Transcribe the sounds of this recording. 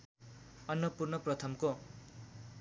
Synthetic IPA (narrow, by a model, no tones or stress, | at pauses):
ʌnːʌpurnʌprʌt̪ʰʌmko